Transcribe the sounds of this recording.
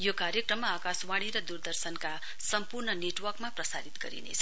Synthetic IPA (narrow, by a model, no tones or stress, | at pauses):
jokaɾjekrʌmːaːkaswaɽ̃iɾʌd̪urd̪ʌrsʌnka | sʌmpurnʌneʈwʌrkmaprʌsaɾit̪ɡʌ̰ɾḭnḛt͡sʰʌ